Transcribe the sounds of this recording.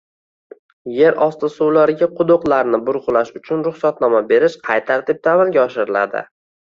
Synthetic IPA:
je̞ɾʔɒst̪ɪsʊwlaɾɪɡʲaqʰʊd̪oqlˠaɾnɪbʊɾʁʊlaʃʊt͡ʃʰʊnɾʊχsat̪nɒmabe̞ɾɪʃqʰɑjt̪ʰaɾt̪ɪp̚t̪amɪlɡʲaɒʃɪɾɪla̰d̪ɪ̰

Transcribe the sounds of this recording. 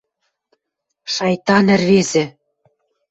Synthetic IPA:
ʃɑjt̪ɑnɘ̆rβezɘ̆

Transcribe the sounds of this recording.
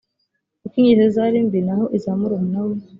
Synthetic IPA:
ukiɲizozaɾiːmbinaɦoʔizaːmuɾomunawo

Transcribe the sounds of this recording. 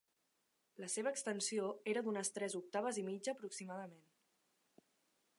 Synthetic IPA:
ləseβ̞əːkst̪ənsioeɾəd̪unəst̪ɾɛzuk̚t̪aβ̞əzimid͡ʒəːpɾuksimaðəmen

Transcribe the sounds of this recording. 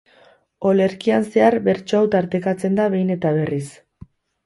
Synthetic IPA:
o̞le̞ɾkianse̞aɾbe̞ɾt͡ʃoawt̪aɾt̪e̞kat͡se̞nd̪aβe̞jne̞t̪aβ̞e̞ris

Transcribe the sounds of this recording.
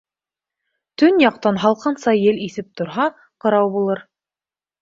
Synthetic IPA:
t̪ɵnjɑq̚t̪ɑnɦɑlˠqɤ̆nsɑjjɘliθɘp̚t̪ŏɾɦɑ | qɤ̆ɾɑwbulˠɤɾ

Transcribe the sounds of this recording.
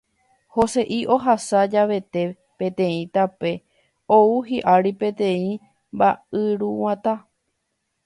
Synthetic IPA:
ho̞se̞ʔiʔo̞ɦasad͡ʒaʋe̞t̪e̞ | pẽ̞t̪ẽ̞ĩt̪ape̞ | ouɦiʔaɾipẽ̞t̪ẽ̞ĩ | mbaɨɾuwãt̪a

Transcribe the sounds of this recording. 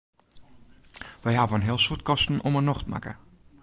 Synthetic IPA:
ʋɛjɦaːvəənɦɪəlˠsurt̚kɔstn̩ʔomənɔxtma̰kə̰

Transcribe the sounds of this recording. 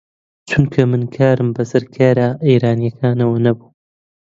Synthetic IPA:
t͡ʃʰunkʰɐmɨnkʰaːɾɨmbɐsɐɾkʰaːɾaːʔijɾaːnijɐkʰaːnɐwɐnɐbuː

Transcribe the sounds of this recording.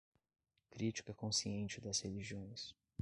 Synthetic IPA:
kɾit͡ʃi̥kɐkõsiẽnt͡ʃɪd̪ɐsheliʒiõj̃s

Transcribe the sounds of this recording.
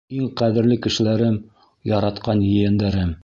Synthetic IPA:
iŋqæðɘ̆ɾlɘkɘ̆ʃɘ̆læɾɘm | jɑɾɑt̪qɑnjɘ̆jænd̪æɾɘm

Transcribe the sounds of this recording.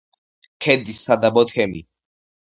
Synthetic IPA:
kʰɛd̪isad̪abɔt̪ʰɛmḭ

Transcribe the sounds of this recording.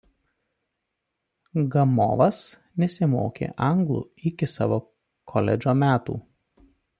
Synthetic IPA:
ɡɐmɔ̰ːʋɐs | nʲɛsʲɪmo̰ːkʲḛːʔɐŋɡlˠṵːˑɪkʲɪsɑ̰ːʋoː | kʰɔlʲɛ̰d͡ʒʲoːmʲæːt̪ṵː

